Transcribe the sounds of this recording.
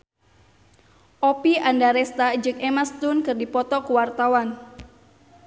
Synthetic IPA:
ʔɔpiʔandaɾɛst̪ad͡ʒɨŋɛmast̪unkɨrdipɔt̪ɔkuwart̪awan

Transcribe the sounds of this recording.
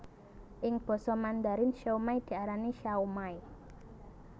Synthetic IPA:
ʔɪŋb̥ɔ̤sɔmand̪aɾɪnʃaumajd̪̥i̤aɾaniʃaumaj

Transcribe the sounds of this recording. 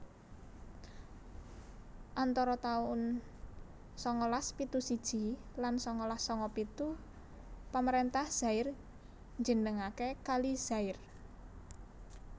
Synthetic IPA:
ʔant̪ɔɾɔt̪aʊn | sɔŋɔlaspit̪usid̥ʒ̥i̤lansɔŋɔlasɔŋɔpit̪u | paməɾent̪ahz̥a̤ɪr | ɲd͡ʒə̤nəŋakekaliz̥aɪr

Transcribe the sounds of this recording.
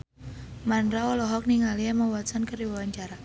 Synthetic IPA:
manɾaɔlɔɦɔk̚niŋalijamawasankəɾiwawaɲt͡ʃaɾa

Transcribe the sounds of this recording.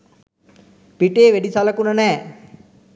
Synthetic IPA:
piʈeːʋeɖisɐləkunənɛː

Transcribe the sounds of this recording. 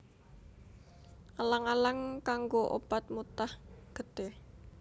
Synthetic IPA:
ʔalaŋalaŋkaŋɡoʔo̰pat̪̚mut̪ahɡ̥ət̪e

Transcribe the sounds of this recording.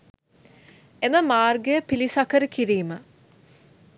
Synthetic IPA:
enəmaːrɡəjəpilisɐkəɾəkiɾiːmə

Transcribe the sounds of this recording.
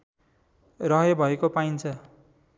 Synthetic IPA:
rʌɦʌjbʱʌekopaint͡sʰʌ

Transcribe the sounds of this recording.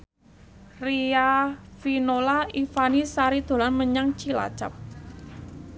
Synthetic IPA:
riafinolaifanisaɾid̪̥o̤lanməɲaŋt͡ʃila̰̥t͡ʃa̰p̚

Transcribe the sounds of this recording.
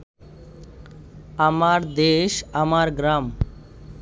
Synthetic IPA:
amaɾd̪eʃamaɾɡɾam

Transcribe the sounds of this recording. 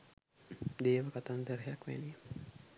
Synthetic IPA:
d̪eːʋəkat̪and̪əɾɦjakʋæ̰li

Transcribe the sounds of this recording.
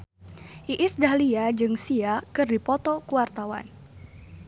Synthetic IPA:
ʔiʔɪsdahliad͡ʒɨŋsiakɨrdipɔt̪ɔkuwart̪awa̰n

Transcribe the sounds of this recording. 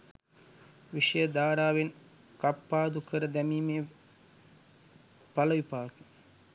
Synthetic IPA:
ʋiʂɐjəd̪aːɾaːʋen | kapːaːd̪ukəɾəd̪æmiːmej | pɐlɐʋipaːk̪u̥

